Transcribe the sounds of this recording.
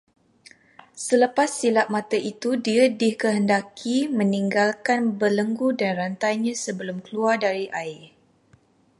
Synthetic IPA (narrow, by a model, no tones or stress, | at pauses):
sələpasːilaʔ̚mãt̪aʔit̪udiadɪhkəɦəndakʰimə̃niŋɡalkanbələŋɡudanrant̪ajɲãsəbəlʊmkəluardaɾiʔaɪr